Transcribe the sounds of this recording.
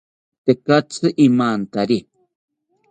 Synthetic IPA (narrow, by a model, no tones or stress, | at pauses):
t̪ekat͡sʰɨʔimaːnt̪aɾi